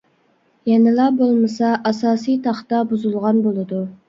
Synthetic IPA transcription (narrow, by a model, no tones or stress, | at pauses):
jɛnɪlˠɑbolˠmɨsɑʔɑsɑːsijt̪ʰɑχt̪ɑbuzulˠʁɑnbolˠɨd̪u